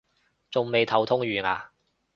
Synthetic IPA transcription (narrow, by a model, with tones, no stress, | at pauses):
t͡sʊ˨ŋme˨jt̪ʰɐ˨wt̪ʰʊ˥ŋɥyː˨˩ŋa̰ː˨˩